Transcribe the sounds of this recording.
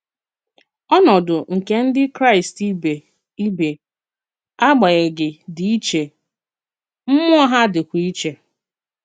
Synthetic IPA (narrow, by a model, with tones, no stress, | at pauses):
ɔ˦nɔ˨dʊ˨ŋ̩˨ke˨n̩˦dɪ˦kɾa˦ɪ˨sti˦be˨ | i˦be˨ | a˦ɡ͡ba˨ɣɛ˨ɡɪ˨di˨i˦t͡ʃe˨ | m̩˦mʊ˦a˦ɦa˦dɪ˨kʷi˨i˦t͡ʃe˨